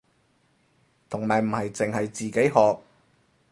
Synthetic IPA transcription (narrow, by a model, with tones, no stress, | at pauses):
t̪ʰʊ˨˩ŋmaː˨˩jm̩˨˩hɐ˨jt͡sɪ˨ŋhɐ˨jt͡siː˨ke˨˥jɦɔː˨k̚